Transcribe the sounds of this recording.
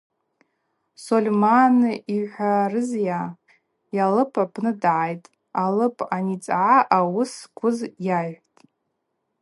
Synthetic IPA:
solʲmanɨʔiħʷarɨzja | jalɨpʰapʰnɨdʕajtʼ | alɨpʰʼanit͡sʼʕaʔawʊskʷʰʊzjaʒʷᶣtʼ

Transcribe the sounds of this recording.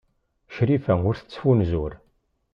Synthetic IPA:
ʃɾifæŋʊɾθə̥t͡sːfunzuɾ

